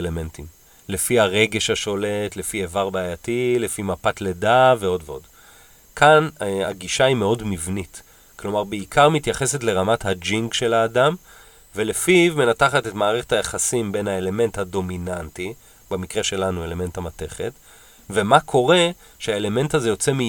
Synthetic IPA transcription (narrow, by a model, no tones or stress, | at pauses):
leme̞ntim | le̞fihaʁe̞ɡe̞ʃhaʃo̞le̞tle̞fievaʁbaːjatile̞fimapatle̞dave̞o̞dveo̞d | kʰana̰ɡiʃaime̞o̞dmivnit | klo̞maʁbeikʰaʁmitjaχe̞se̞tle̞ʁamathad͡ʒiŋɡʃe̞laːdam | velefivme̞nataχatetmaːʁeχethajaχasimbe̞nhaele̞me̞nthado̞minanti | bemikʁe̞ʃe̞lanue̞le̞me̞nthamate̞χe̞̰t | ve̞makʰo̞ʁe̞ | ʃehaele̞me̞ntaze̞jo̞t͡se̞mi